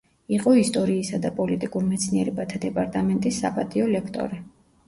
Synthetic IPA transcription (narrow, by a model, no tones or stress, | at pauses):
iqʼɔist̪ʼɔɾiːsad̪apʼɔlit̪ʼikʼuɾmɛt̪sʰniɛɾɛbat̪ʰad̪ɛpʼaɾt̪ʼamɛnt̪ʼisːa̰pʼat̪ʼiɔlɛkʰt̪ʼɔ̰ɾi